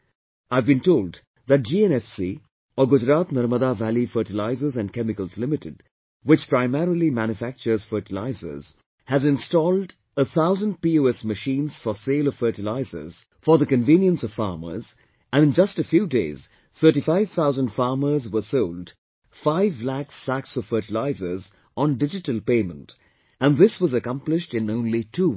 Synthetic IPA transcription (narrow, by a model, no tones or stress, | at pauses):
aɪvbĩntoːld | ðæʈ̚d͡ʒiɛ̃nɛfsi | ɔɡʊd͡ʒɾaːt̪nʌɾməd̪aʋælifəːʈɪlaɪzəzæ̃nkɛmɪkəlˠzlɪmɪtɪd | wɪt͡ʃpɾaɪmɛɾilimæ̃njʊfæk̚t͡ʃə˞z̥fəːʈɪla̰ɪzə̰z̥ | hæzɪ̃nstɔːlɖ | əθʰaʊzə̃nd̚pioɛsməʃĩːnz̥fɔseːlɔ̥fəːʈɪlaɪzə̰z̥ | fə˞ðəkɨ̃nvĩːnjə̃nsʌv̥fɑ̰ːmə̰˞z | ɨ̃nɨ̃nd͡ʒʌstəfjuːdeɪz̥ | θʰɜ˞ʈifaɪv̥θʰaʊzə̃ndfɑːɹmə˞zwə˞solˠd | faɪvlæksːæksɔv̥fɜ˞ʈɪlaɪzə˞z | ɔ̃ndɪd͡ʒɨtəl̩ˠpeɪmə̃nt | æ̃nðɪswʌzəkʌ̃mplɪʃtɨ̃nõʊ̃nlitʰuː